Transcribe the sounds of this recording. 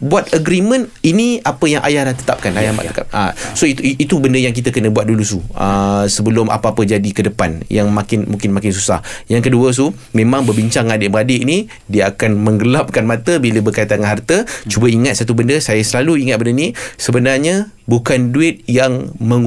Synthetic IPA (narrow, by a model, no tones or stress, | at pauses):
buat̪̚əɡɾimə̃niniapəjaŋʔa̰jahlaht̪ə̥t̪ap̚kanajahma̰əkaʔa̰soit̪it̪ubəndəjaŋk̬it̪əkənə̃buat̪̚dulusuə̰səbəlʊmʔa̰paːpəd͡ʒadikədəpanjaŋmakɪnmũŋkɪnmakɪns̬usa̰hjaŋkəduəs̬u | mẽmãŋbərbiɲt͡ʃaŋadɪʔbəadɪʔni | diəakanməŋɡəlap̚kanmãt̪əbiləbərkait̪aŋanɦart̪ət͡ʃubəiŋat̪̚sat̪ubəndəsajasəlaluiŋat̪̚bəndənisəbənarɲə | bukanduɪt̪̚jaŋmə